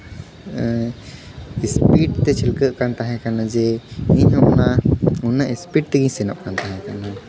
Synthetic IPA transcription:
ispiʈt̪ɛt͡ʃʰɛlkəʔkant̪aɦɛ̃kanad͡ʒɛiɲɔnaunaʔispiʈ̚t̪ɛɡiɲsɛnaʔkant̪aɦɛ̃kana

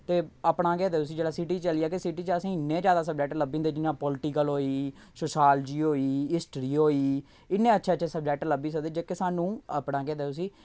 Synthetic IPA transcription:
t̪eːəpɳãːkɛːd̪eːʊs̬ĩːd͡ʒeːɽaːsɪʈiːt͡ʃəliːaːkesɪʈiːt͡ʃəsĩːɪnːẽːd͡ʒjaːd̪aːs̬əb̚d͡ʒɛːkʈləbĩnd̪eːd͡ʒɪnãːpɔːlʈiːkəlɦoːiː | soːʃaːld͡ʒiːɦoːiːɪsʈɾiːɦoːiː | ɪnːẽːətːʃʰeːət͡ʃʃʰeːsəb̚d͡ʒɛːk̚ʈləbiːs̬əkd̪eːd͡ʒeːkeːsaːnũːəpɽãːkɛːd̪eːt̪ʊsiː

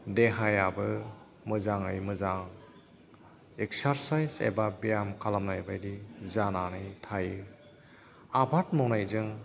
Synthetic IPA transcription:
deɦajabɯ | mɯzaŋɯjmɯzaŋ | ek̚saɾsajzḛbabijamkʰalamnajbajdizananɯjtʰajɯ | abʱat̚mɔwnajzɯŋ

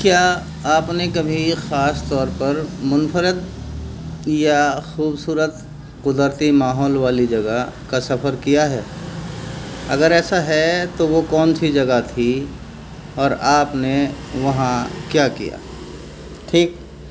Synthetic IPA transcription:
kjaː | aːpnekɐbʱixaːst̪ɔːɾpɐɾmʊnfəɾət̪̚ | jaxuːbsuːɾət̪ | qʊd̪əɾt̪imaːɦɔːlʋaːlid͡ʒɐɡakasɐfʰəɾkijaɦɛː | ɐ̰ɡəɾɛːsaɦɛt̪oʋokɔːnsid͡ʒɐɡat̪ʰi | ɔːɾaːpneʋɐɦãkjaːkḭja̰ː | ʈʰiːk̚

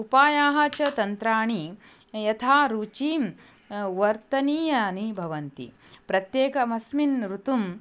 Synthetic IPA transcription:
upaːjaːɦɐt͡ʃɐt̪ɐnt̪ɾaːɳi | jɐt̪ʰaːɾuːt͡ʃiːm | ʋɐɾt̪ɐniːjɐnibʱɐʋɐnt̪ḭ | pɾɐt̪jeːkɐmɐsminɾut̪um

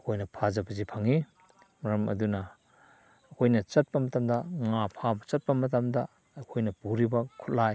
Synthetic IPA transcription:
ɐkʰojnɐpʰazɐbɐzipʰɐŋi | mɐɾɐmɐ̰dunɐː | kʰojnɐt͡ʃɐt̚pɐmɐtɐmdɐŋapʰabɐt͡ʃɐt̚pɐmɐtɐmdɐː | kʰojnɐpuɾibɐkʰu̥t̚laj

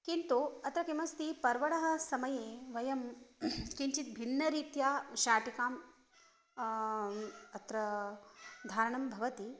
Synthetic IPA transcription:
kint̪uɐt̪ɾɐkimɐst̪ipɐɾʋɐɽɐɦɐ̆sɐmɐjeːʋɐjɐmkiɲt͡ʃit̪̚bʱinːɐɾiːt̪jaːʃaːʈikaːm | ɐt̪ɾɐ | d̪ʱaːɾɐɳɐmbʱɐʋɐt̪i

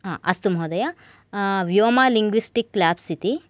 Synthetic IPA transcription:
ɦã̰ʔɐst̪umɦoːd̪ɐja | ʋjoːmaːliŋɡʋisʈikːlaːbsit̪i

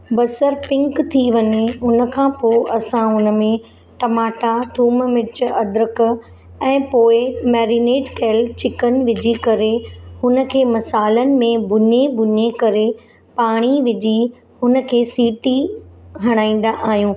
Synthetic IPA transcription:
bɐsəɾpɪ̃ŋkt̪ʰiʋɐɲeɦʊnə̆kʰãpoːʔɐsãɦʊnə̆mẽ | ʈɐmaːʈat̪ʰuːmʋɪt͡ɕʊɐd̪ɾək̆ | ɛ̃ːpoːɪmɛːɾineːɖkeːlt͡ɕɪkən̆ʋɪd͡ʑikɐɾehʊnə̆kʰeːmɐsaːlənɪ̆mẽbʱʊɲebʱʊɲekɐɾe | paːɽ̃iʋɪd͡ʑi | hʊnə̆kʰeːsiːʈiɦɐɽ̃aːĩːn̆d̪aʔaːɦijũː

